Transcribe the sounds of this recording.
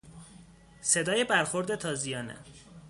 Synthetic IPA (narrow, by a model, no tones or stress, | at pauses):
se̞d̪ɒːje̞bæɾxo̞ɾd̪e̞t̪ʰɒːzijɒːnḛ